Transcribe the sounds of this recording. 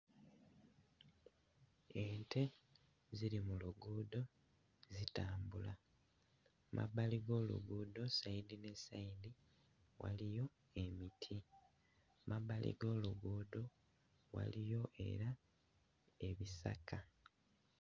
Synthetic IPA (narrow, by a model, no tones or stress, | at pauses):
entʰe̞ | ziɾimuluɡuːdo̞ | zitaːmbula | mʔa̰baliɡo̞ːlṵɡuːdo̞saidine̞saidi | wa̰lijo̞ | e̞mitʰi | mabalḭɡo̞ːluɡuːdo̞ | wa̰lijo̞ʔe̞̰ɾa | e̞βisa̰kʰa